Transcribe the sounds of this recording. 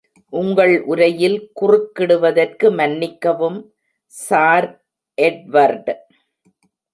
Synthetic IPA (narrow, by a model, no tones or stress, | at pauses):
ʔʊŋɡɐɭʔʊɾɐjɪlkʊrʊkːɪɽɯʋɐðɐrkɯmɐnːɪkːɐʋɯm | saːɾ | ʔɛɖʋɐɾɖ